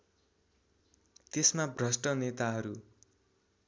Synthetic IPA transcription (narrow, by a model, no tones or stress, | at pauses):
t̪esmabrʌsʈʌnet̪aɦʌɾu